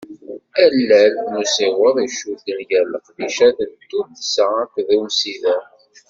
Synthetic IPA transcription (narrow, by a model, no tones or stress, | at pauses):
ælːælnusiʁʊðˤiʃud̪ənjæləqðiʃæðənt̪ːud̪səækʷðumsiðæ